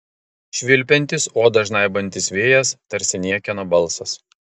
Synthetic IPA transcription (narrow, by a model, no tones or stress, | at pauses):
ʃʲʋʲɪlʲpʲɛnʲt̪ʲɪsoːd̪ɐʒnɐɪbɐnʲt̪ʲɪsʋʲeːjɛst̪ɐɾʲsʲɪnʲiɛkʲɛnoːbɐlˠˑsɐs